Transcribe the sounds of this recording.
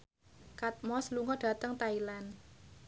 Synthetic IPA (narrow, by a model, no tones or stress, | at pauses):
kat̪̚mɔsluŋɔɖ̥a̤t̪əŋt̪ailan